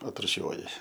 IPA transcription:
ɐtrʊˈʃʲuɔjɪ

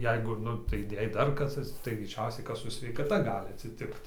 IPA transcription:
ˈjɛɪɡʊ ˈnʊ tɐɪ ˈjɛɪ ˈdɐr ˈkɐs ɐtʲsʲɪˈtʲɪks tɐɪ ɡrʲɛɪˈt͡ʃʲɛʊsʲɛɪ ˈkɐs ˈsʊ sʲʋʲɛɪkɐˈtɐ ˈɡɑːlʲɪ ɐtʲsʲɪˈtʲɪkt

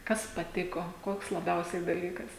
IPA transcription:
ˈkɐs pɐˈtʲɪkoː ˈkoːks lˠɐˈbʲɛʊsʲɛɪ dɐˈlʲiːkɐs

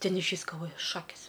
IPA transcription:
ˈtʲɛn ɪʃʲˈʋʲiːs ɡɐlˠˈʋoːjʊ ˈʃɑːkʲɪs

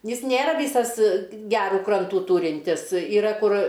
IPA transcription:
ˈjɪs ˈnʲeːrɐ ˈʋʲiːsɐs ˈɡʲæːruː ˈkrɐntuː ˈtuːrʲɪnʲtʲɪs iːˈrɐ ˈkʊr

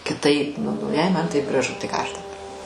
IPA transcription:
kʲɪˈtɐɪp ˈnʊ nʊ jɛɪ ˈmɐn ˈtɐɪp ɡrɐˈʒʊ tɐɪ ˈkɑː ˈɐʃ dɐˈbɐr

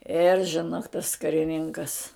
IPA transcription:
ɪr ʒʲɪˈnoːk tɐs kɐrʲɪˈnʲɪŋkɐs

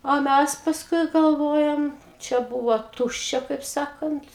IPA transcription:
oː ˈmʲæs pɐsˈkʊɪ ɡɐlˠˈʋoːjɛm ˈt͡ʃʲɛ ˈbuːʋoː ˈtʊʃʲt͡ʃʲɛ kɐɪp ˈsɑːkɐnt

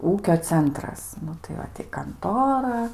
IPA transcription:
ˈuːkʲoː ˈt͡sʲɛntrɐs ˈnʊ tɐɪ ˈʋɐ tʲɪ kɐnˈtoːrɐ

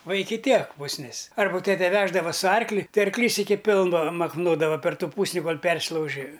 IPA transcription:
ˈʋɐ ˈɪkʲɪ ˈtʲiɛk pʊsʲˈnʲɪs ˈɐrbɐ ˈtʲæːtʲɛ ˈʋʲæːʒdɐʋɐ sʊ ˈɐrklʲɪ ˈtɐɪ ɐrkˈlʲiːs ˈɪkʲɪ ˈpʲɪlˠʋɐ mɐkˈnoːdɐʋɐ pʲɛr ˈtuː ˈpuːsʲnʲɪ koːlˠ ˈpʲɛrʲsʲɪlˠɐʊʒʲɪ

